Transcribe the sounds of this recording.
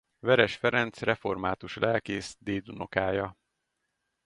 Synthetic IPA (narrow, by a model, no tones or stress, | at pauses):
vɛɾɛʃfɛɾɛnt̪srɛfo̞rmaːt̪uʃlʔɛlkeːsd̪eːd̪uno̞kaːjɒ